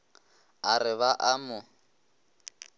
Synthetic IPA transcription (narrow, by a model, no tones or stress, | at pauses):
arɪβaʔamʊ